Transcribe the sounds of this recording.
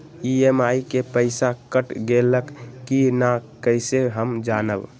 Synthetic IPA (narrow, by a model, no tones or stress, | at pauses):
iemajkepəɪsakəʈɡeləkkːinakəjseɦəmd͡ʒanə̰b